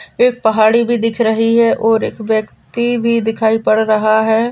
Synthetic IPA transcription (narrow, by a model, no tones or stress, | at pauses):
eːk̚pɐɦaːɽibʱid̪ɪkʰɾɐɦiɦɛʔɔːɾeːkʋjəkt̪ibʱid̪ɪkʰaːipɐɽɾɐɦaɦɛː